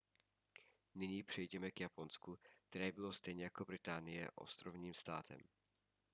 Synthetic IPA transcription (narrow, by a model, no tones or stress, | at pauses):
nɪɲiːpr̥ɛjɟɛmɛkjapo̞nskuk̚t̪ɛɾɛːbɪlo̞st̪ɛjɲɛjako̞bɾɪt̪aːnɪjɛ̰ʔo̞̰st̪ɾo̞vɲiːmst̪a̰ːt̪ʰɛ̰m